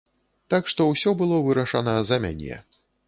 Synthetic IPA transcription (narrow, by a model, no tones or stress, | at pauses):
t̪akʂt̪ɔwsʲɔbɨlˠɔvɨɾɐʂɐnɐzɐmʲa̰nʲɛ̰